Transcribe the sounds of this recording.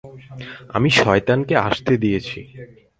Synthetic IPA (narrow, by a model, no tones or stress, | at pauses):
a̰miʃɔet̪ankeaʃt̪ed̪ijet͡ɕʰi